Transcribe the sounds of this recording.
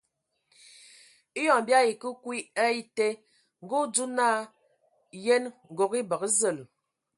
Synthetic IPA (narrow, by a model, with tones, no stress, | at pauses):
i˦jɔ˨ŋ˨bja˦i˨kə˦kwi˦ə˦i˦te˦ | ŋ˨ɡu˦d͡zu˦na˦˨ | je˦nŋ˨ɡo˨ki˦bə˨kzə˦˨l